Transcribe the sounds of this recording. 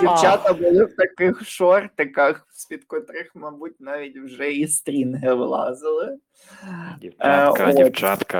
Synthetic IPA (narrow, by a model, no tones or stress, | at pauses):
dʲiwt͡ʃɑt̪ɐbʊlˠɪwt̪ɐkɪxʃɔrt̪ɪkɐx | sʲpʲit̪kɔt̪ɾɪxmɐbut̚ʲnɑʋʲitʲwʒɛist̪ɾʲinɦɪʋlˠɑ̰zɪlˠɪ | ot̪at̪k